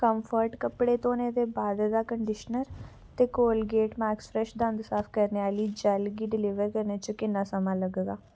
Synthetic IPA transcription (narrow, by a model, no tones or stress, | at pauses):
kəmfʰəɾʈkəpɽeːt̪oːneːd̪eːbaːd̪d̪aːkəɳɖɪʃnəɾ | t̪eːkoːlɡeːʈmɛːkspʰɾɛʃd̪ənd̪saːpʰkəɾneːaːliːd͡ʒaːlɡiːɖɪlɪʋəɾkəɾneːt͡ʃəkɪnːãːsəmãːləɡeɡaː